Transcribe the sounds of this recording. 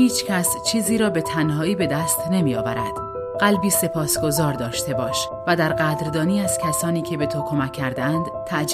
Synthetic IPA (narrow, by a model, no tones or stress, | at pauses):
hiːt͡ʃʰcʲʰæst͡ʃʰiːziːɾɒːbe̞t̪ʰænɦɒːiːbe̞d̪æːst̪ne̞miːjɒ̰ːvæ̰ɾæ̰d̪̥ | ɢ̥ælbiːse̞pʰɒːsɡo̞zɒːɾd̪ɒːʃt̪e̞bɒːʃ | væd̪æɾɢæd̪ɾd̪ɒːniːæz̥cʲʰæsɒːniːcʰe̞be̞t̪ʰokʰo̞mæcʲʰːæɾd̪eænd̪̥t̪ʰːæʔd͡ʒ